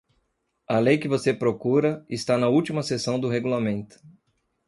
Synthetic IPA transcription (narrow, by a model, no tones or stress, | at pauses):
ɐlejkɪvosepɾokuɾɐɪst̪anɐuwt͡ʃimɐsesɐ̃w̃d̪ʊɦeɡulamẽnt̪ʊ̥